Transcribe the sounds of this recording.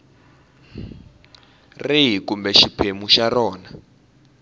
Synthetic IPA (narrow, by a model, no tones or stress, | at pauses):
riɦikumbɛʃipʰemuʃarɔːna